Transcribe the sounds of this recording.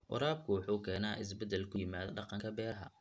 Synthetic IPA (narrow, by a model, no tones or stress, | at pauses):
ʔʊ̰ɾaːb̚kʰʊwɑħuːkʰɛːnaːʔɪs̬bɛd̪ɛlkʰʊjɪmaːðɖɑqɑŋkʰɐbɛːɾɐɦɐ̰